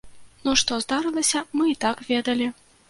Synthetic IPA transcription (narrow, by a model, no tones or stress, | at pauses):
nuʂt̪ɔzd̪aɾɨlˠɐsʲɐmɨit̪akvʲɛd̪ɐlʲi